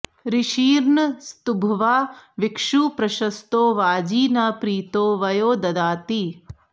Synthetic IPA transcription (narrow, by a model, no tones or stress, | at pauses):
ɾiʃiːɾɳst̪ubʱɐʋaːʋikʂuːpɾɐʃɐst̪oːʋaːd͡ʒiːnapɾiːt̪oːʋɐjoːd̪ɐd̪aːt̪i